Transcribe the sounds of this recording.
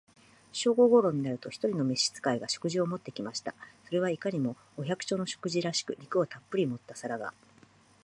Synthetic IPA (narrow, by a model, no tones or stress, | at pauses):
ɕo̞ːɡo̞ːɡo̞ːɾo̞ɲ̟inaɾɯ̟t̪o̞çi̥t̪o̞ɾʲino̞meɕːi̥t͡sɨ̥kaiɡaɕo̞̥kɯ̟ʑio̞mo̞t̪ːe̞kʲimaɕi̥t̪aso̞ɾe̞βaikaɲ̟imo̞ːçʲakɯ̟̥t͡ɕo̞ːno̞ɕo̞̥kɯ̟ʑiɾaɕi̥kɯ̟ɲikɯ̟ot̪apːɯɾʲimo̞t̪ːasaɾaɡa̰